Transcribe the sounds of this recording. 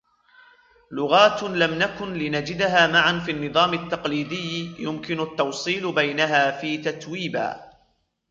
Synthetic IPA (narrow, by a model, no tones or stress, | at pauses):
lʊɣaːt̪lamnakʊnlɪnad͡ʒɪd̪ɦaːmaʕanfiːanːɨðˤɑːmat̪ːɑqliːd̪ɪjːjʊmkɪnʊt̪ːɑwsˤiːlbajnaɦaːfiːt̪at̪wiːba̰ː